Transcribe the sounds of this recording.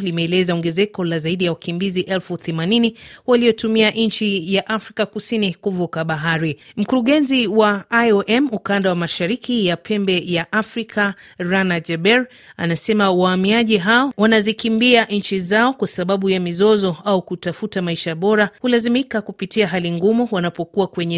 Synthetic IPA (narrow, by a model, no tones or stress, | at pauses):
limɛːlɛzaɔŋɡɛzɛkɔlazaiɗijawakimbiziʔɛlfuθɛmaniniwalijɔtumiaʔn̩t͡ʃijaʔafɾikakusinikuvukaɓaɦaɾim̩kuɾuɠɛnziwaaɔʔɛmukandawamaʃaɾikijapʰɛmbɛjaʔafɾikʰaɾanad͡ʒɛɓɛɾ | a̰nasɛmawaːmiaʄiɦaɔwanazikimbiaʔɲ̩t͡ʃizaɔkwasaɓaɓujamizɔzɔaukutafutamaiʃaɓɔɾahulazimikakupitiaɦaliŋɡumuwanapɔkuwakwɛɲɛ